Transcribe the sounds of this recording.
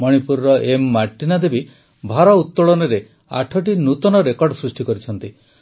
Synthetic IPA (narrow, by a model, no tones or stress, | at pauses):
mɔɽ̃ipuɾɾɔʔemːaʈːinad̪ebi | bʱaɾɔut̪ːɔɭɔnɔɾe | a̰ʈʰɔʈ̬inut̪ɔnɔɾekɔɾɖɔsɾusʈikɔɾit͡ʃʰɔnt̪i